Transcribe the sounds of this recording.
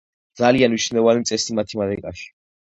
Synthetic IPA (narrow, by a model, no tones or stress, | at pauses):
d̪zalianmiʃnɛvanimt̪sʼɛsimat̪ʰimad̪ɛkʼaʃi̥